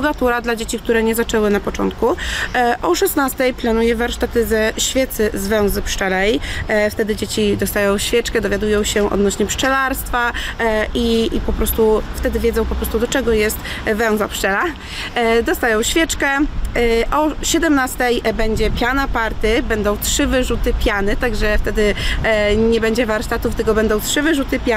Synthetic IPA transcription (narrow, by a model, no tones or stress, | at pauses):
ɡat̪uɾad̪lad͡ʑet͡ɕik̚t̪uɾɛɲɛzat͡ʂɛwɘnapɔt͡ʂɔ̰nt̪kuʔɔʂɛsnast̪ɛjplanujɛvaɾʂt̪at̪ɘzɛɕfʲjɛt̪sɘzvɛw̃zɘpʂt͡ʂɛlɛjft̪ɛd̪ɘd͡ʑet͡ɕid̪ɔst̪ajɔ̃w̃ɕfʲjɛt͡ʂkɛd̪ɔvʲjad̪ujɔ̃w̃ɕɛʔɔ̰d̪nɔɕɲɛpʂt͡ʂɛlaɾst̪faʔipɔpɾɔst̪uft̪ɛd̪ɘvʲjɛd̪zɔ̃w̃pɔpɾɔst̪ud̪ɔt͡ʂɛɡɔjɛst̪vɛw̃zapʂt͡ʂɛla | d̪ɔst̪ajɔ̃w̃ɕfʲjɛt͡ʂkɛ | ʔɔɕɛd̪ɛmnast̪ɛjbɛɲd͡ʑɛpʲjanapaɾt̪ɘbɛnd̪ɔ̃w̃tʂɘvɘʐut̪ɘpʲjanɘt̪aɡʐɛft̪ɛd̪ɘ | ɲɛbɛɲd͡ʑɛvaɾʂt̪at̪uft̪ɘɡɔbɛnd̪ɔ̃w̃tʂɘvɘʐut̪ɘpʲa